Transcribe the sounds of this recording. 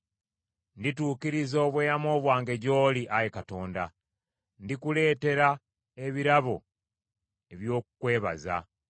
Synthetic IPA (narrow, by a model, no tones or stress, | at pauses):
ndituːkiɾizo̞ːβweːjamo̞ːβwaːŋɡe̞ɟo̞ːliʔajekato̞ːnda̰ | ndikule̞ːte̞ɾa | eβiɾaβo̞̰ | e̞βjo̞ːkukwe̞ːβa̰za̰